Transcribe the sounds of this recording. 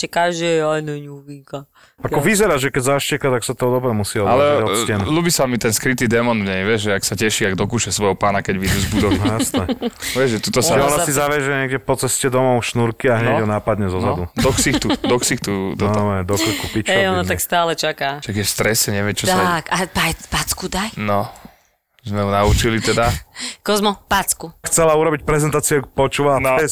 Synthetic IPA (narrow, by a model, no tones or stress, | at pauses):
t͡ʃɛkaʒɛanɛɲuʋiŋka | akɔʋizɛɾaʒɛkɛɟzaʃcɛkat̪aksat̪ɔɔd̪ɔbɾɛmusiɔalɛɔcɛnlubisamit̪ɛnskɾit̪iːd̪ɛmɔnvɲɛjʋɛʒʒɛaksacɛʃiaɡ̚d̪ɔkuːʃɛsʋɔjɦɔpaːnakɛɟʋid̪uzbud̪ɔʋjasnɛʋɛʒʒɛt̪ut̪ɔsaɛɔnasizaʋɛʒɛɲɛːɡɟɛpɔt͡sɛscɛd̪ɔmɔʊʃnuɾkiaɦɲɛjɦɔnaːpad̪ɲɛzɔzad̪ud̪ɔxsixt̪ud̪ɔxsixt̪ut̪ɔɔmɛd̪ɔksikupit͡ʃɛjɔnɔt̪akst̪aːlɛt͡ʃakaːʃaɡjɛfst̪ɾɛsɛɲɛʋɪɛt͡ʃɔt̪akapajpat͡skud̪ajnɔ | zmɛɦunaut͡ʃilit̪ɛd̪akɔzmɔpat͡skuxt͡sɛlauɾɔbic̚pɾɛzɛnt̪aːt͡siukpɔt͡ʃuːʋanɛs